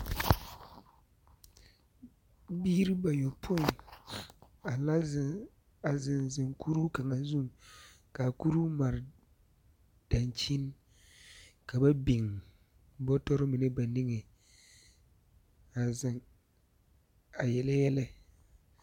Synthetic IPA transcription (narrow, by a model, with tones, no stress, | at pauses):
biː˦ɾi˦ba˨jɔ˨pʰo˦ɪ˨n | a˨la˦˨ | a˨zɪ˨nzɪ˨ŋkʰu˦ɾu˦ka˨ŋa˨zu˦˨ŋ | ka˨ku˦ɾu˦ma˨ɾɪ˨ | d̥a˨nt͡ʃi˦n˦ | ka˨ba˦bɪ˨ŋ | bɔ˦tɔ˦ɾɪ˦mɪ˨nɪ˦ba˨nɪ˦ŋɛ˨ | a˨zɪ˨ŋ | a˨jɛ˨lɛ˦jɛ˦lɛ˦